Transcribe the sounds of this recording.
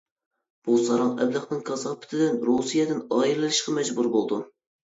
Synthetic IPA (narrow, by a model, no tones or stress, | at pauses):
b̥usɑɾɑŋɛ̰blɨχnɨŋkʰɑsɑʁpʰɪ̥t̪ʰɪd̪ɪnɾusijɛd̪ɪnɑːillɨlɨʃqɑmɛd͡ʒbuɾbolˠd̪u